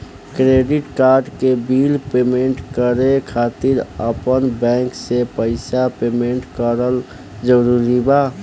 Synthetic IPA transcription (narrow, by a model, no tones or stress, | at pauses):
kɾeːɖɪʈkaːɾɖkebiːlpeːmẽɳʈkəɾekʰaːt̪ɪɾəpənbɛ̃ːŋksepəɪsapeːmẽɳʈkəɾəl | d͡ʒəɾuːɾibaː